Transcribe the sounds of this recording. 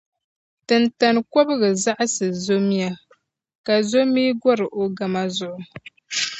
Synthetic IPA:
tɨ˨nta˨n˨ko˦bɨ˦ɣɨ˨za˦ʔa˦sɨ˨zo˦mi˦a˦ | ka˨zo˦mi˦ɡɔ˦ɾɨ˨ʔo˨ɡa˨ma˦zʊ˦ʔʊ˦

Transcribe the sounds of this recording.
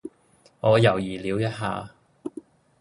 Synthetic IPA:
ŋɔː˨˧jɐ˨˩wjiː˨˩liː˨˥wjɐ˥t̚ɦa̰ː˧

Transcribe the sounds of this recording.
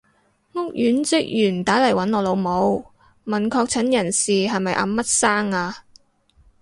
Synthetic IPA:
ŋʊ˥k̚jyː˨˥nt͡sɪ˥k̚jyː˨˩nt̪aː˨˥lɐ˨˩jwɐ˨˥nɔː˨˧lo˨˧wmo˨˧w | mɐ˨˩nkʰɔː˧k̚t͡sʰɐ˨˥njɐ˨˩nsiː˨ɦɐ˨jmɐ˨jʔa̰ː˧˥mɐ˥t̚saː˥ŋaː˧

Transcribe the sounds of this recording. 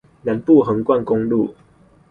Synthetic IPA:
na˨˦npu˥˨ɦə˨˦ŋkwa˥˨nkɔ˦ŋlu˥˨

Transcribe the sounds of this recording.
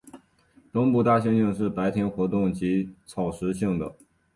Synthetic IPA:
t̪ʊ˥ŋpu˥˧t̪a˥˩ɕi˥ŋi˥˧ŋʂ̬ɻ̩˥˩pa˧˥ɪt̪ʰjɛ˥nxwɔ˧˥t̪ʊ˥˩ŋt͡ɕi˧˥t͡sʰɑ˨˩ʊʂɻ̩˧˥ɕi˥˩ŋd̪ə̰˩

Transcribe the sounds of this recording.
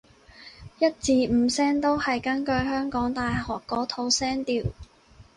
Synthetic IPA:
jɐ˥t̚t͡siː˨m̩˨˧˩sɛː˥ŋt̪o˥whɐ˨jkɐ˥nkɵ˧ɥɦœː˥ŋkɔː˨˥ŋt̪aː˨jhɔː˨kːɔː˨˥t̪ʰo˧wsɛː˥ŋt̪iː˨w

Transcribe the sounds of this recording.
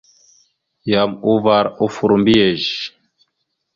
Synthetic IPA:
ja˨mu˦va˨ɾo˦fu˨ɾmbi˦je˨ʒ

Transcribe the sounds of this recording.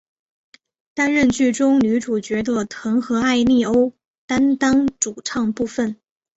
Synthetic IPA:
t̪a˥nɻə˥˧nt͡ɕy˥˩ʈ͡ʂʊ˥ŋny˧˥ʈ͡ʂu˨˩t͡ɕɥɛ˧˥d̪ə˧t̪ʰɤ˧˥ŋxɤ˧˥a˥˧ɪni˥˩o˥ʊ | t̪a˥nt̪ɑ˥ŋʈ͡ʂu˨˩ʈ͡ʂʰɑ˥˧ŋpu˥˩fə˨˩n

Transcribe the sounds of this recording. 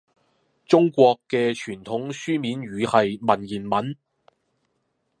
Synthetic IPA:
t͡sʊ˥ŋkʷɔː˧kːɛː˧t͡ʃʰyː˨˩nt̪ʰʊ˨˥ŋsyː˥miː˨˥nɥyː˨˧hɐ˨jmɐ˨˩njiː˨˩nmɐ˨˥n

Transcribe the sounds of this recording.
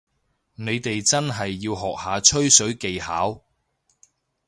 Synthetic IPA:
ne˨˧jt̪e˨jt͡sɐ˥nɦɐ˨jːiː˧wɦɔː˨k̚haː˨˧t͡ʃʰɵ˥ɥsɵ˨˥ɥke˨jhaː˨˥w

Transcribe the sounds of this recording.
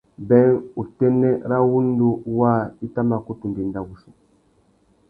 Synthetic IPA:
bɛ˦ŋu˨tɛ˦nɛ˦ɾa˦wu˦n˦du˦waː˦˨i˦ta˦ma˨ku˦tu˨de˨n˦da˨wu˨su˨

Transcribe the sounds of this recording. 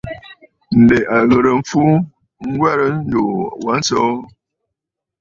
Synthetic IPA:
n̩˨de˨ʔa˨ɣə˨ɾə˨˦fu˦ | ŋ̩˦ɡwa˦ɾə˦n̩˦do˨wa˨˦n̩˦sɔ˦

